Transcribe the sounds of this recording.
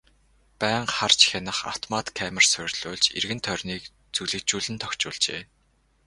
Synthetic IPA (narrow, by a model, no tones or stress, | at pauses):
pæːɴχart͡ɕxʲenə̆χa̰w̥t̪ʰɔmat̪kʰːæːmə̆rsʊrʲɮʊːɮt͡ɕḛrɣɘ̆nt̪ʰœrʲniːk | t͡suɮɘ̆kt͡ɕuːɮɘ̆nt̪ʰɔkt͡ɕʊ̰ːɮt͡ɕḛː